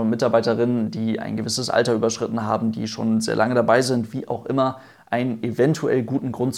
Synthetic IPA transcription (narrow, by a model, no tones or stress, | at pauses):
nmɪtaɐbaɪtɐʁɪnəndiːa̰ɪnɡəvɪsəsʔa̰ltɐyːbɐʃʁ̥ɪtn̩ɦaːbm̩dḭːʃo̰ːnzḛːɐlʔaŋədabaɪzɪntv̥iːʔaʊxʔɪmɐ | ʔaɪnənevɛntʰuʔɛ̰lɡuːtn̩ɡʁʊntt͡s